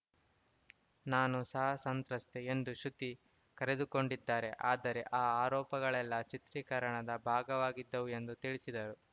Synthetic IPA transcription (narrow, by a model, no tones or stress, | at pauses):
naːnusɐɦɐsɐnt̪ɾɐst̪eend̪uʃut̪ːi | kɐɾe̞d̪uko̞ɳɖid̪ːaːɾe̞ʔaːd̪ɐɾe̞ʔaːaːɾɔːpɐɡɐɭɛlːɐt͡ʃit̪ɾiːkɐɾɐɳɐd̪ɐbʱaːɡɐʋaːɡid̪ːɐʋue̞nd̪ut̪iɭisid̪ɐɾu